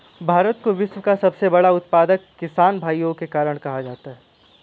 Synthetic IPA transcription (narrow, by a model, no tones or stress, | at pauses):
bʱaːɾət̪koʋɪsməkasɐbsebɐɽaʊt̪̚paːd̪əkːɪsaːnbʱaːjõkekaːɾəɽ̃kɐɦad͡ʒaːt̪aɦɛː